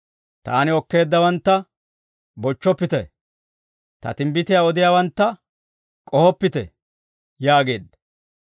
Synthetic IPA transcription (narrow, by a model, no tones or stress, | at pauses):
t̪aːnɪɔkːe̞ːd̪ːɐwɐnt̪ːɐ | bɔt͡ʃːɔpːɪt̪ɛ | t̪ɐ̰t̪ɪmbɪt̪ɪjaːɔd̪ɪjaːwɐnt̪ːɐ | kʼɔhɔpːɪt̪ɛ̰ | jaːɡe̞ːd̪ːɐ̥